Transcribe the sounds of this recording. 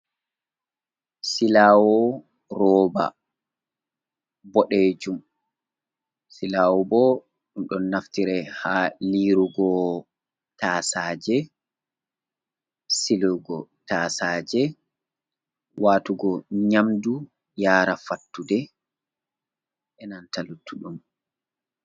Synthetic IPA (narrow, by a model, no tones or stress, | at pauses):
silaːwɔ | rɔːba̰ | bɔɗeːd͡ʒum | silaːwɔbɔ | ɗumɗɔnːaftiɾɛhaːliːɾuɡɔ | taːsaːd͡ʒɛ | siluɡɔtaːsaːd͡ʒɛ | waːtuɡɔɲamdu | jaːɾafatːudɛ | ʔɛnantalutʰːuɗum